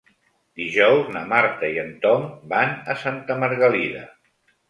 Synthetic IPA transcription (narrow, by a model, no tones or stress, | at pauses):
d̪iʒɔwznəmaɾt̪əiənt̪ɔmbanəsant̪əməɾɣəliðə